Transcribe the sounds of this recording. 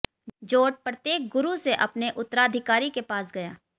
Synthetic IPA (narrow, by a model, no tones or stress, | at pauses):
d͡ʒoːʈ̚pɾɐt̪jeːk̚ɡʊɾuseʔɐpneʔʊt̪ːəɾaəd̪ʱɪkaːɾikepaːsɡɐjaː